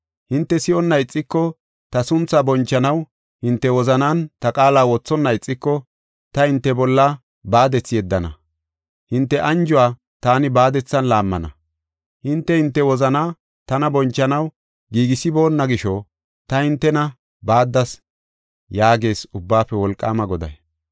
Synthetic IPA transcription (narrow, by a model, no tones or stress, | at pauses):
hɪnt̪ːɛsɪjɔnːɐɪt͡sʼːɪkːɔ | t̪ɐsʊnt͡sːabɔnt͡ʃːɐnɐw | hɪnt̪ːɛwɔzɐnaːnt̪ɐkʼaːlaːwɔt͡sːɔnːɐɪt͡sʼːɪkːɔ | t̪ɐhɪnt̪ːɛbɔlːɐ | baːd̪ɛt͡sːɪjɛd̪ːɐnɐ̰ | hɪnt̪ːɛʔɐnd͡ʒʊwaː | t̪aːnɪbaːd̪ɛt͡sːɐnlaːmːɐ̰nɐ̰ | hɪnt̪ːɛhɪnt̪ːɛwɔzɐnaː | t̪ɐnɐbɔnt͡ʃːɐnɐw | ɡiːɡɪsɪbo̞ːnːɐɡɪʃɔ | t̪ɐhɪnt̪ːɛnɐ | baːd̪ːɐs | jaːɡe̞ːsʊbːaːpːɛwɔlkʼːaːmɐɡɔd̪ɐ̰j